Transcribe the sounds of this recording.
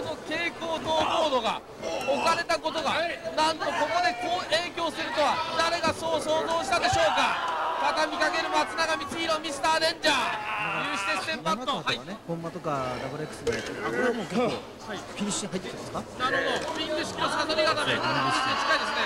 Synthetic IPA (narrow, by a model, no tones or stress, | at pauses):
no̞ke̞ːko̞ːt̪oːko̞ːd̪o̞ɡa̰ | okaɾe̞t̪ako̞t̪o̞ɡanãnt̪o̞kokod̪e̞koːʔe̞ːkʲo̞ːsɨɾɯ̟t̪o̞βad̪aɾe̞ɡaso̞ːso̞ːzo̞ːɕi̥t̪ad̪e̞ɕo̞ːkat̪at̪amʲikaɡe̞ɾɯ̟mat͡sɨnaɡamʲisɨiɾomʲisɨ̥t̪aːd̪ẽ̞ɲ̟d͡ʑaːjɯːɕi̥t̪e̞st̪ẽ̞mpãohainehõmːat̪o̞kad̪abɯɾekːɯ̟sɨd̪et̪akomoke | aikʲiɾʲiɕĩɦait̪ːet̪aeskanaɾod̪okomʲĩŋɡɯ̟ɕi̥kʲiosãnaeat̪ameait̪et͡ɕi̥kaid̪esɨne